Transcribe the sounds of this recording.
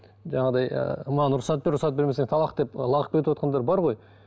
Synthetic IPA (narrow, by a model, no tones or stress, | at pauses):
ʒɑɴɑd̪ɑjə̰mɑnʊɾʊχsɑt̪beɾʊʁsɑt̪̚beɾmeseŋt̪ʰɑlˠɑqd̪e̞plˠɑʁə̥qpbet̪wot̪̚qɑnd̪ɑɾbɑɾʁo̞j